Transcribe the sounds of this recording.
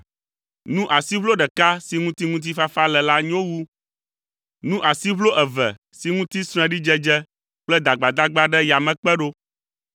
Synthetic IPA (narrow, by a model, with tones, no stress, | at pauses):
nũ˦ʔa˨si˦βlo˦ɖɛ˨ka˦si˨˦ŋũ˦t̪i˦ŋũ˦t̪̬i˦fa˦fa˦lɛ˨la˦ɲ̃˦o˦wu˦ | nũ˦ʔa˨si˦βlo˦ʔɛ˨vɛ̰˨ | si˨ŋũ˦t̪i˦sɾ̃ɛ̃˦ɖi˦d͡ʒɛ˦d͡ʒɛ˦ | k͡plɛ˦d̪a˨ɡ͡ba˨d̪a˦ɡ͡ba˦ɖɛ˦ja˨mɛ̃˨k͡pɛ˦ɖo˦